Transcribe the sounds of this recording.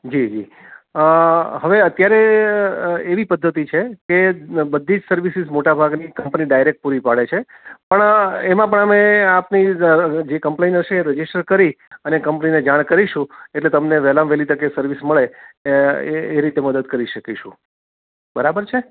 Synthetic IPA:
d͡ʒid͡ʒi | ɦəʋeət̪jaɾe | eʋipəd̪ʱːət̪it͡ʃʰekebəd̪ʱːid͡ʒsəɾʋisizmoʈabʱaɡnikəmpniɖajɾek̚ʈ̚puɾipaɭet͡ʃʰe | pəɳemãp̬əɳəmeapnid͡ʒekəmpleinəʃeːɾəd͡ʒisʈəɾkəɾi | ənekəmpnined͡ʒaɽ̃kəɾiʃũeʈlet̪əmneʋɛlamʋelit̪əkesəɾʋisməɭe | ɾit̪eməd̪əd̪̚kəɾiʃəkiʃṵ̃ | bəɾabəɾt͡ʃʰe

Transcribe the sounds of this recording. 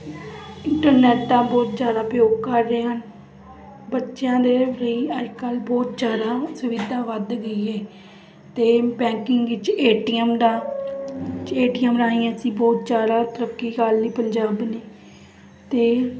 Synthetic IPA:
ɪɳʈəɾnɛːʈd̪ãːbɔːt̪̚d͡ʒjaːd̪aːpjoːɡkəɾːeːɦən | bətːʃjãːd̪eːɾəiːəd͡ʒkəlbɔːt̪d͡ʒjaːd̪aːsʊʋid̪ãːʋəd̪ɡəiːɛː | t̪eːbɛ̃ːkɪŋɡʋɪt͡ʃeːʈiːəmd̪ãː | t͡ʃeːʈiːəmɾãːĩːãːsĩːbɔːt̪̚d͡ʒaːd̪aːt̪əɾəkːiːkaːlniːpəɲd͡ʒaːbneː | t̪eː

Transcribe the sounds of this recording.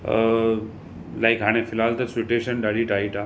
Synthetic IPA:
laɪkɦaːɽ̃efɪlaːlt̪ɐsʋɪʈeːʃənɖaːɽiʈaːiʈʰa

